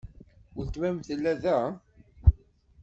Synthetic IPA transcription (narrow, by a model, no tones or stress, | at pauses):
əlt̪mæmθəlːæðæ